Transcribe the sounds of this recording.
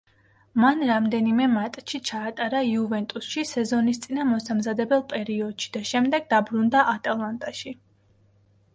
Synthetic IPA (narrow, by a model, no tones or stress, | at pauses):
manɾamd̪ɛnimɛmat̪ʼʃit͡ʃʰaːt̪ʼaɾaiuvɛnt̪ʼusʃisɛzɔnist̪sʼinamɔsamzad̪ɛbɛlˠpʼɛɾiɔd̪̥ʃi̥d̪̥aʃɛmd̪ɛɡ̚d̪abɾund̪aʔat̪ʼalˠant̪ʼaʃi